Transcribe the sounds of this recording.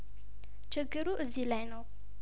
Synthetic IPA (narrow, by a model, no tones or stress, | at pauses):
t͡ʃɨɡːɨɾuʔɨzːilajnəw